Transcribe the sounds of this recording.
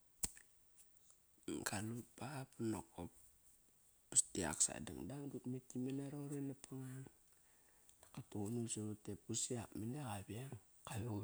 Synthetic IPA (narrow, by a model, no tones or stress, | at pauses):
kalupapunokopː | istia̰ksa̰da̰ŋdaŋdutmetimenaɾoɾenapʰaŋan | d̥ḁkatounuseutep̚usiakmineɣabiaŋ | kaβu